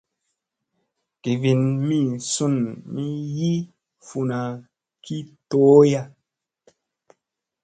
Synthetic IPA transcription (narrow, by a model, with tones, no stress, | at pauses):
ke˨vi˨nmi˦˨su˦˨nmi˦ji˦ | fu˨na˨ | kʰi˦to˨˦ja˦